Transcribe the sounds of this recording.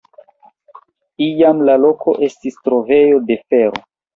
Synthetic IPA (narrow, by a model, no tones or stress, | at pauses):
ijamlalo̞ko̞̰ʔe̞stistɾo̞ve̞jo̞de̞fe̞ɾo̰